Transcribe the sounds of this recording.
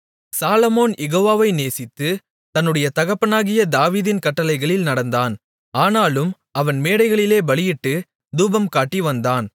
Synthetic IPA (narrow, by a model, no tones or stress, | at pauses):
saːlɐmoːnjʔɛɣoːʋaːʋɐɪneːsɪt̪ːɯ | t̪ɐnːɯɽɐjɐt̪ɐɣɐpːɐnaːɣɪjɐd̪aːʋiːðɪnkɐʈːɐlɐɪɣɐɭɪlnɐɽɐnd̪aːn | aːnaːlɯm | ɐʋɐnmeːɽɐɪɣɐɭɪleːbɐɭɪjɪʈːɯ | d̪uːbɐmkaːʈːiʋɐnd̪aːn